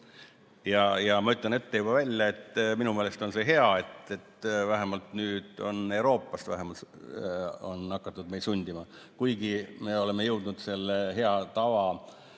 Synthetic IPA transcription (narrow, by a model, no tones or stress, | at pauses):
jɑjɑmɑyt̪ˑlɑne̞t̪ːe̞jub̥ɑvælʲjɑe̞t̪ːminume̞ːle̞st̪o̞nse̞ɦe̞ɑe̞t̪e̞t̪væɦemɑlt̪nyːd̪̥o̞̰ne̞wɾo̞ːpːˑɑst̪væ̰ɦemɑl | o̞nɑkːˑɑt̪ːˑud̪mej̪sunʲd̪̥ʲimɑ | kujɡime̞o̞le̞me̞jɤ̞wd̪̥nud̪̥se̞lːeɦe̞ɑt̪ɑvɑ